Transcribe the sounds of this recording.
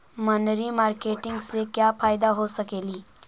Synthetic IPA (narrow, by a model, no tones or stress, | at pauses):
mɐnɾimaːɾkeːʈɪ̃ŋɡsekjaːfaːɪd̪aɦosɐkeːliː